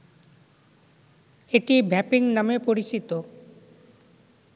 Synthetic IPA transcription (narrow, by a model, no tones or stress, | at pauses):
eʈibʱɛpiŋnamepoɾit͡ɕit̪o